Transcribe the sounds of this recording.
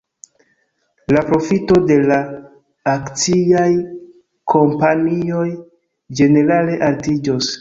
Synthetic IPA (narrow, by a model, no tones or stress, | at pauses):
lapɾo̞fito̞de̞laː | kt͡siaj | kʰo̞mpanio̞j | d͡ʒe̞ne̞ɾale̞ʔaltid͡ʒos